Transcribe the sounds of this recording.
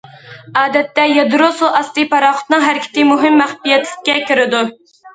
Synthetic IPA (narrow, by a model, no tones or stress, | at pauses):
ɑːd̪ɛt̪ːɛjɑd̪ɾosuʔɑst̪ɨpɑɾɑχʊ̥t̪nɨŋɦæɾɪkʲʰɪ̥t̪ɪmuɦɪmːæχpijɛt̪lɪkʲːɛkʲyɾɪd̪u